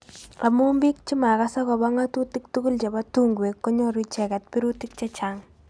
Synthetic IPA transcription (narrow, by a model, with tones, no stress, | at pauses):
la˨mu˦mbi˦k̚t͡ʃi˦ma˨ka˦sa˦kɔ˨ba˦ŋa˦tu˦ti˦k̚tu˦ku˦lt͡ʃa˨ba˦tu˦ŋɡwe˨kːo˦ɲɔ˦ɾi˦t͡ʃɛ˨kɛ˨t̚pi˦ɾu˦ti˦k̚t͡ʃe˦t͡ʃa˨ŋ